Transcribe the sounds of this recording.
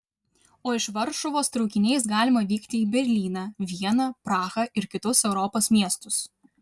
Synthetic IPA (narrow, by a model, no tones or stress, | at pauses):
oːɪʃʋɐɾʃʊʋoːst̪ɾɔʊkʲɪnʲɛɪsɡɑːlʲɪmɐʋʲiːkt̪ʲɪiːbʲɛɾʲlʲiːnɑːʋʲiɛnɑːpɾɑːxɐʔɪɾkʲɪt̪ʊsɛʊɾɔpoːsmʲiɛst̪ʊs